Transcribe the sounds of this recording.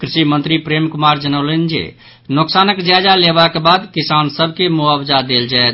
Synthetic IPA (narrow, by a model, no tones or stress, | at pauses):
kɾiʃimənt̪ɾipɾemkumaɾd͡ʒənəʊlənd͡ʒḛ | noksanəkd͡ʒjad͡ʒalebakebad̪kisansəbʱkemuabd͡ʒad̪eld͡ʒaet̪